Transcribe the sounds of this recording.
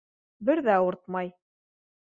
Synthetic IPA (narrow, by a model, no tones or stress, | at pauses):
bɘɾðæŏɾt̪̚mɑj